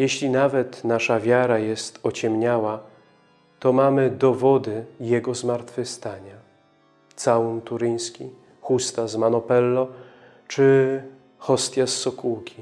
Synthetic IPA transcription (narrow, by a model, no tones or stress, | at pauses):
jɛɕlʲinavɛt̪naʂavʲjaɾajɛst̪ɔt͡ɕɛmɲawa | t̪ɔmamɘd̪ɔvɔd̪ɘjɛɡɔzmaɾt̪fɘxst̪aɲa | t̪saunt̪uɾɘj̃skʲi | xust̪azmanɔpɛlːɔ | t͡ʂɘ | xɔst̪ʲjasːɔkuwkʲi